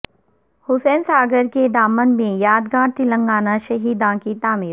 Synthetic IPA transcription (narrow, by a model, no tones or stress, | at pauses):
hʊsɛːnsaːɡəɾked̪aːmənmẽjaːd̪ɡãːɽt̪ɪlə̃ŋɡaːnaʃɐɦiːd̪ãːkit̪aːmiːɾ